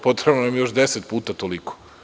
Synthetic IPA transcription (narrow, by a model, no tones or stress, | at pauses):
po̞t̪ɾebnanamjo̞ʃd̪eset̪̚puːt̪at̪oliko̥